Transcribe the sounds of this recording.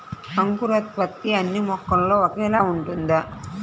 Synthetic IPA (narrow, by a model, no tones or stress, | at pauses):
ɐŋɡuɾɐt̪̚pɐt̪ːiɐnːimɔkːɐnloːʋɐɣɐjɐlaːʊɳɖund̪ɐ